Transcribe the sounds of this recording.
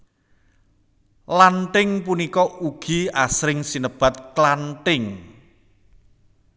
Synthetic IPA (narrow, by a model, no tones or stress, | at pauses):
lanʈɪŋpunikɔʔuɡ̥i̤asɾɪŋsinəb̥a̤t̪̚klanʈɪŋ